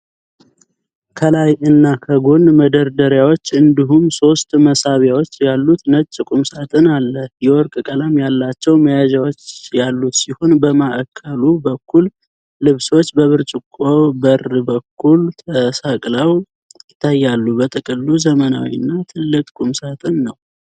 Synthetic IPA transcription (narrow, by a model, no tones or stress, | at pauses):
kʰəlajɨnːakʰəɡo̞nməd̪əɾd̪əɾjawo̞t͡ʃːɨnd̪iɦumso̞st̪məsaβjawot͡ʃːjalːut̪nət͡ʃʼːɨkʼumsat̪ʼɨnalːəjɛwɔɾkʼɨkʼəlamjalːat͡ʃːɛwməjad͡ʒawot͡ʃːjalːut̪siho̞nbəmaʔəkʰːəlubəkʰːul | lɨβso̞t͡ʃːbəβɨɾt͡ʃʼɪkʼːobərbəkʰːult̪ʰəsakʼləw | jɪt̪ʰːajːalːubət̪ʼɨkʼɨlːuzəməna̰wḭɨnːat̪ʰɨlːɨkʼkʼumsat̪ʼɨnːəw